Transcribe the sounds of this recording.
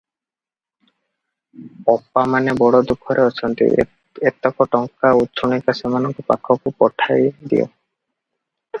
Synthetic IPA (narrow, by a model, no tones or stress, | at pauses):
pɔpːamanebɔɽɔd̪ukʰːɔɾeɔt͡ʃʰɔnt̪ḭ | et̪ɔkɔʈɔŋkaut̪ːt͡ʃʰonikasemanɔŋkɔpa̰kʰːɔkupɔʈʰajd̪ḭo̰